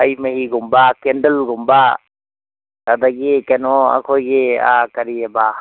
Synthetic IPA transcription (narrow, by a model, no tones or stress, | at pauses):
ajmɐɦiɡumbakendəlɡumba | tad̪aɡikenɔa̰kʰojɡea̰kɐɾiaba